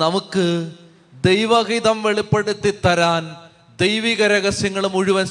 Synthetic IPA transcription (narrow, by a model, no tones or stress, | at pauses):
nɐmukːɨ | d̪ejʋɐɣiðɐmʋeɭipːeɽut̪ːit̪ːɐɾaːn | d̪ejʋiːɣɐɾɐɣɐsjɐŋːɐɭumuɻuʋɐn